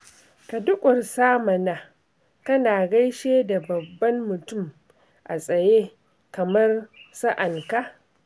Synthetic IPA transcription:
ka˨dʊ˦kʷʼʊ˨rsaː˦mɐ˨naː˦ | kɐ˦naː˨ɡɐ˦jʃeː˦da˨bɐ˨bːɐ˦mːʊ˨tʊ˦˨m | ʔa̰˨sʼɐ˨jeː˦ | kɐ˨mɐ˦rsa˦ʔɐ˨ŋka˨ʔ

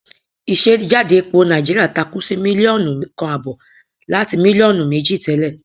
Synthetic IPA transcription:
i˧ʃe˦d͡ʒa˦˨de˨˦k͡po˧˦nã˨d͡ʒi˦ɾi˦a˦˨ta˧ku˦si˦mĩ˦li˦ɔ̃˦˨nũ˨kã˧a˨bɔ˨ | la˨˦ti˧mĩ˦li˦ɔ̃˦˨nũ˨mĩ˨˧d͡ʒi˦˨tɛ˨˦lɛ˦˨

